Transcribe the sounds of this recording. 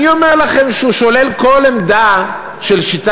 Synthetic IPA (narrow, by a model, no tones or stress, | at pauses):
iomeʁlaχe̞mʃeuʃo̞lelko̞lemd̪a | ʃelʃit̪